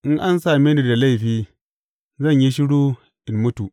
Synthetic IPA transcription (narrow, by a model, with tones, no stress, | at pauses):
ʔɪ˦ŋʔa˦nsaː˨me˦nu˦˨da˨la˦˨jɸiː˦ | zɐ˦˨ɲji˦ʃɪ˦ɽu˦ | ʔɪ˨nmʊ˦tu˨ʔ